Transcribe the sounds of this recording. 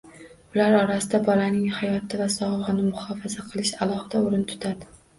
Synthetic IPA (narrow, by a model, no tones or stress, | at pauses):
ʊlaɾɒɾasɪd̪abɒlanɪŋhajɒt̪ɪvasɒʁvʁɨnɪmʊhɒfazaqʰɨlˠɪʃalˠɒhɨd̪aoɾɪnt̪ʰʊ̥t̪ʰad̪ɪ